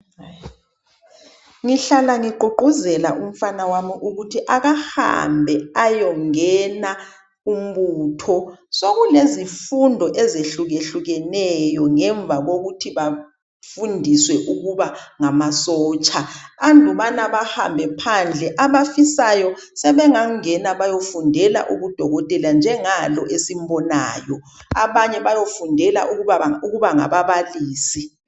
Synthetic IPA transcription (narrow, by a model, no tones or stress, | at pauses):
ŋiɬalaŋiǃʱuǃuzɛlaʔum̩fanawamiʔuɣutʰiʔaɣaha̰mbʱɛajɔŋɛna | um̩ɓuːtʰɔsoɣulezifundʱɔʔɛzeɬuɣeɬuɣɛnɛjɔŋɛɱb̪vʱaɣoɣutʰiβa | fundʱiswɛʔuɣuβaŋamasɔːt͡ʃʼaandʱuβanaβaha̰mbʱɛpʰand͡ɮʱɛʔaβafisajɔ | sɛβɛŋaŋŋɛnaβajofundʱɛla̰ʔṵɣud̥ʱɔɣɔtʼɛland͡ʒʱɛŋalɔʔesim̩bɔna̰ːjɔ | a̰βaɲɛβajofundʱɛla̰ʔuauɣuβaŋa̰βaβaliːsi